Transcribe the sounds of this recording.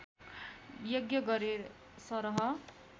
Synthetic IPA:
joɡjʌɡʌɾeɾ | sʌɾʌɦʌ

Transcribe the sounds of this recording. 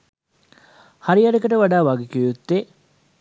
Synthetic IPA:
haɾiaɖəkəʈəʋaɖaːʋaɡekijut̪ːe

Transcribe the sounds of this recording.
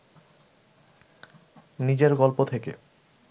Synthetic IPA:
nid͡ʑeɾɡɔlpot̪ʰekḛ

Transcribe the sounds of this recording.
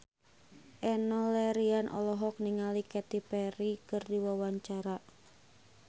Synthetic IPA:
ʔɛnɔlɛɾianʔɔ̰lɔɦɔk̚niŋalikɛt̪ipɛɾikɨrdiwawaɲt͡ʃaɾa

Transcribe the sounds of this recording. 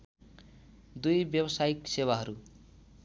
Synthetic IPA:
d̪ujbjʌbʌsajiksewaɦʌɾu

